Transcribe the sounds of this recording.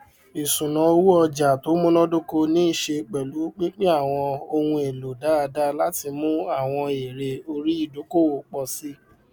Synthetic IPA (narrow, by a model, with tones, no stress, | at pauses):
i˨sũ˨nã˨o˧˦wu˦ɔ˧d͡ʒa˨to˨˦mũ˦nɔ̃˦do˦ko˧nĩ˦i˦˨ʃe˧k͡pɛ˨lu˨˦k͡pi˦k͡pe˦a˦˨w̃ɔ̃˧o˧hũ˧e˨lo˨da˨˦a˧da˦la˦ti˧mũ˦a˦˨w̃ɔ̃˧e˨ɾe˧o˧ɾi˦i˦˨do˨˦ko˦˨wo˨k͡pɔ˧si˦